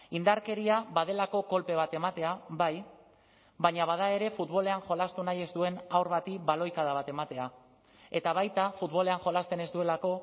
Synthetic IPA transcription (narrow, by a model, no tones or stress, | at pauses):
ind̪aɾke̞ɾiaβað̞e̞lako̞ko̞lpe̞β̞at̪e̞mat̪e̞aβaj | βaɲaβ̞að̞ae̞ɾe̞fut̪βo̞le̞anxo̞last̪unaje̞zd̪ue̞nawɾβat̪iβalo̞jkað̞aβ̞at̪e̞mat̪e̞a | e̞t̪aβ̞ajt̪afut̪βo̞le̞aŋxo̞last̪e̞ne̞zd̪ue̞lako̞